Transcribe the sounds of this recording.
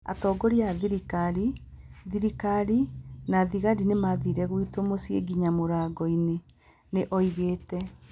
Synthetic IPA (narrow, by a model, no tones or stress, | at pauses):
a̰tɔːɡɔɾiaðiɾikaɾi | ðiɾikaɾinaðiɣaɾinemaðiɾɛɣwitomosiḛɡiɲamoɾaɡɔine | neʔɔiɣeːtɛ